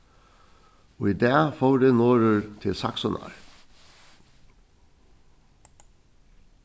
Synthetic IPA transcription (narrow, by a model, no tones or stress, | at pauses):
oːiːd̪æːfoːɖeːnoːɾəɹt̪ʰɪlsɑ̰ksɔnʔɑ̰ɹ